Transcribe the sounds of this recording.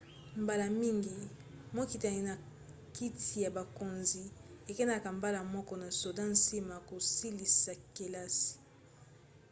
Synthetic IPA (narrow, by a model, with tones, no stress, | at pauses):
mba˨la˨mi˦ŋɡi˨ | mo˦ki˨ta˨i˦na˨ | ki˦tʰi˨ja˨ba˨ko˨nzi˨e˨ke˦na˨ka˨mba˦la˨mɔ˦kɔ˦na˨so˨dã˦n˦si˦ma˨ko˨si˦li˨sa˨ke˨la˦si̥˨